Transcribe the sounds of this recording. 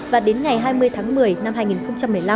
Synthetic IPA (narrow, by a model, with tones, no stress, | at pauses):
vaː˨˩ɗe˨˦nŋa˨˩jɦaː˧jmɨ˧əjt̪ʰaː˨˦ŋmɨ˨˩əjna˧mhaː˧jŋi˨˩nxə˧wŋ͡mt͡ɕa˧mː˨˩əjla˧